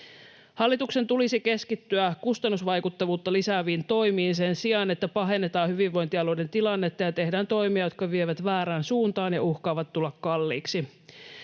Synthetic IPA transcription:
hɑlːit̪ukse̞nt̪ulisike̞skit̪ːyækust̪ɑnːusʋɑjkut̪ːɑʋuːt̪ːɑlisæːʋiːnt̪o̞jmiːnsensiɑne̞t̪ːæpɑɦe̞nːet̪ɑːhyʋiʋʋo̞jnt̪iɑlode̞nt̪ilɑnːet̪ːɑjɑt̪e̞hdæːnt̪o̞jmiɑjo̞t̪̚kɑʋieʋæt̪ʋæːɾæːnsuːnt̪ɑːnjɑuhkɑːʋɑt̪t̪ːulːɑkkɑlːiːksi

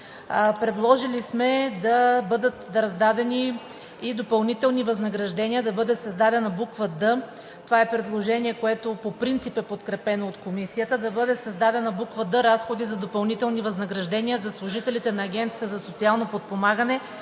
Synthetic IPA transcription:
pɾɛd̪lˠɔʒilismɛd̪ɐbɤd̪ət̪ːɾɐzd̪ad̪ɛniː | d̪opɐlˠnit̪ɛlˠnivɐznɐɡɾɐʒd̪ɛniəd̪ɐbɤd̪ɛsɐzd̪ad̪ɛnɐbukvəd̪ə | t̪ovaɛpɾɛd̪lˠoʒɛniɛkoɛt̪opopɾint̪sipɛpot̪kɾɛpɛnoːt̪komisijət̪əd̪ɐbɤd̪ɛsɐzd̪ad̪ɛnɐbukvəd̪əɾasxod̪izɐd̪opɐlˠnit̪ɛlˠnivɐznɐɡɾɐʒd̪ɛniəzɐslˠʊʒit̪ɛlit̪ɛnɐːɡʲɛnt̪siə̥t̪əzɐsot̪sialˠnopot̪̚pomaɡənɛ

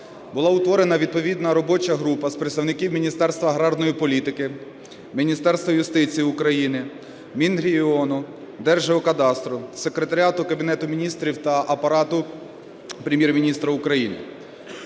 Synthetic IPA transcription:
bʊlˠɑʊt̪ʋɔɾenɐʋʲid̪̚pɔʋʲid̪nɐɾɔbɔt͡ʃɐɦɾupɐspɾet̪st̪ɐwnɪkiwmʲinʲist̪ɛrst̪ʋɐɦɾɑrd̪nɔjipɔlʲit̪ɪkɪ | mʲinʲist̪ɛɾst̪ʋɐjʊst̪ɪt͡sʲijːʊkɾɐjinɪ | mʲinɾʲiɔnʊ | d̪ɛrʒeɦɔkɐd̪ɑst̪ɾʊse̞kɾet̪ɐɾʲɑt̪ʊkɐbʲinɛt̪ʊmʲinʲist̪ɾʲiwt̪ɐʔɐpɐɾɑt̪ʊ | pɾʲemʲjɛrmʲinʲist̪ɾɐʊkɾɐjinɪ̰

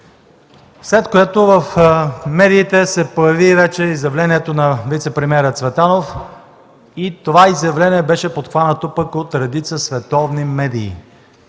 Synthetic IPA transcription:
slɛt̪koɛt̪ovɐfmɛd̪iːt̪ɛsɛpojɐvivɛt͡ʃɛizjɐvlɛniɛt̪onɐvit̪sɛpɾɛmʲɛɾət̪svɛt̪anof | it̪ovaizjɐvlɛniɛbɛʃɛpot̪xvanət̪opəkot̪ɾɛd̪it̪səsvɛt̪ɔvnimɛd̪ḭː

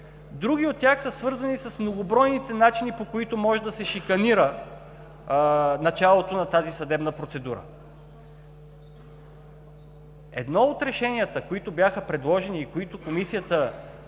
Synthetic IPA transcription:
d̪ɾuɡ̟iot̪̚ːʲjaxsəsvɤɾzɐnisɐsmnoɡobɾɔjnit̪ɛnat͡ʃinipokoit̪omɔʒɛd̪ɐsɛʃikɐniɾə | nɐt͡ʃalˠot̪onɐt̪azisɐd̪ɛbnəpɾot̪sɛd̪uɾə̰ | ɛ̰d̪nɔot̪ɾɛʃɛniət̪əkoit̪objaxəpɾɛd̪lˠɔʒɛniːkoit̪okomisijət̪ə

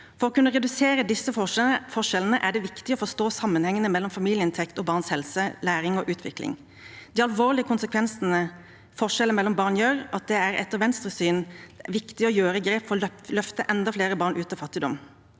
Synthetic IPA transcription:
fɔɾɔkʰʉnːəʁɛd̪ʉseːɾəd̪ɪsːəɔfɔʂɛlən̩əʔæɖɛʋɪkt̪ɪɔfɔst̪oːsɑmːənhɛŋːənəmɛlːɔmfɑmiːlɪəɪnt̪ʰɛkt̪ɔbɑʁnshɛlsəlæːɾɪŋɔʔʉːt̪ʰʋɪ̰klɪ̰ŋ | d̪̥iːɑlʋoːʁlɪəkʰʊnsəkʰʋɛnsnə | fɔʂɛləmɛlːɔmbɑːʁnjøːɾɑt̪̚d̪ɛæɾɛ̰t̪ːəʁʋɛnst̪ɾəsyːnʋɪkt̪ɪɔjøːɾəɡɾeːpfɔlœft̪əʔɛnd̪ɑfleːɾəbɑːʁnʔʉːt̪ɑfɑt̪ːɪd̪ɔ̰m

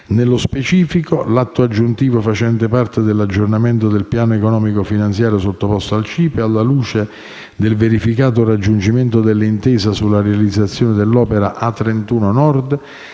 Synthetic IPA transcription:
nelːospet͡ʃiːfikolat̪ːoad͡ʒːunt̪iːvofat͡ʃɛnt̪epart̪ed̪elːad͡ʒːornament̪od̪elpjaːnoekonɔːmikofinant̪sjaːɾjosot̪ːopɔst̪oalt͡ʃiːpealːaluːt͡ʃe | d̪elveɾifikaːt̪̬orad͡ʒːund͡ʒiment̪od̪elːint̪ɛːsasulːarealid̪zːat̪sːjoːnɪd̪elːɔːpeɾaʔat̪ːɾent̪uːnonɔrd̪

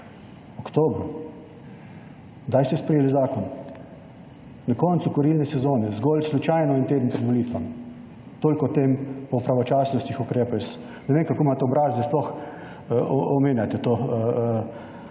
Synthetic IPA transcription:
ɔkt̪oːbɾu | d̪ajst̪ɛspɾɛjeːlizaːkɔn | nakɔnsukɔɾilnɛsɛzoːnɛzɡɔlslut͡ʃajnɔint̪eːd̪n̩pɾɛd̪ʋɔliːt̪ʋam | t̪oːlkɔt̪eːmpɔpɾaʋɔt͡ʃaːsnɔst̪ixukɾeːpɛs | nɛʋeːmkakoːmaːt̪ɛɔbɾaːzd̪ɛsplɔx | ɔmeːnjat̪ɛt̪oː

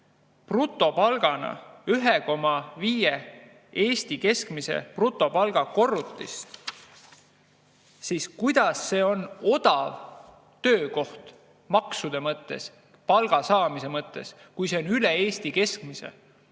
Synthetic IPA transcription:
prut̪ˑːo̞pɑlɡ̥ɑnɑ̰yɦeko̞mɑviːje | e̞ːsʲt̪ike̞skmise̞̰prut̪ˑːo̞pɑlɡ̥ɑko̞rːut̪ːˑist̪ | siskujd̪̥ɑsːe̞ːo̞no̞d̪̥ɑv | t̪ø̞ːko̞ht̪ | mɑksud̪̥e̞mɤt̪ːes | pɑlɡ̥ɑsɑːmise̞mɤt̪ːe̞̰s | kujse̞onylee̞ːsʲt̪ike̞skmisḛ

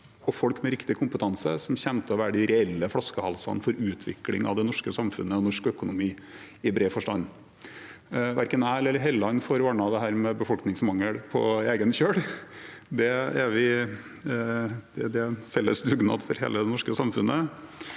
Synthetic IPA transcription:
ɔfɔlkmɛɾɪkt̪ɪkʰʊmpət̪ʰɑnsəsɔmçɛnt̪əɔʋæːɾəɖ̪ɪɾɛɛlːəfɽɑskəhɑlsɑ̰nfɔɾʉːt̪ʰʋɪ̰klɪ̰ŋɑ̰ʋd̪ɛnɔʂkəsɑmfʉ̰nːəɔnɔʂkœkʊnʊmiː | ɪbɾeːfɔʂʈɑ̰nː | ʋæɾkənæːlɛlːəɾɦɛlːɑnfɔɾʋɑːɳɑd̪ɛɦæːɾmɛbəfɔlknɪŋsmɑŋːəɽpʰɔ̰eːɡənçøːɽ | d̪ɛæɾʋɪ | d̪̥ɛd̪ɛfɛlːəsd̪ʉɡnɑ̰ːd̪fɔɾɦḛːləd̪ɛnɔʂkəsɑmfʉnʔə

